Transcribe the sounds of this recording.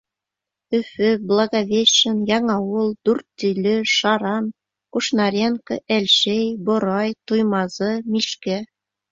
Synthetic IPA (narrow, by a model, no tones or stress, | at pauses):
ɵ̆fɘblˠɑɡavʲeɕɘ̆njɑŋɑwɤlˠd̪̥urt̪ːilʲɵʃɑɾɑn | kuʃnɑɾʲenkɤ̆ʔælʲʃejbŏɾɑjt̪ujmɑzɤmʲiʃkæ